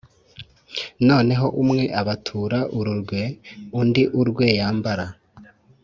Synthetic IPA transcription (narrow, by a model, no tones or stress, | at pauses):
no̞ːne̞ɦo̞ʔumŋe̞ʔaβatʰuːɾaʔuɾuɾɡweundiʔuɾɡwe̞jaːmbaɾa